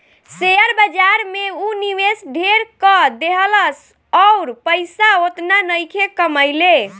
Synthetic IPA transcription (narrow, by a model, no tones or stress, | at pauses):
seəɾbəd͡ʒaɾmeuniʋesɖʱeɾkɔd̪eɦələs | ɔʊɾpəjsaot̪nanəjkʰekəməjle